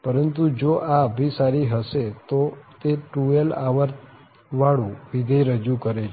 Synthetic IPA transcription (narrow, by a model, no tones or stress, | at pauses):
pəɾənt̪ud͡ʒoʔaəbʱisaɾiɦəʃet̪ot̪eʈuelaʋəɾt̪ | ʋaɭũʋid̪ʱəjɾəd͡ʒukəɾet͡ʃʰ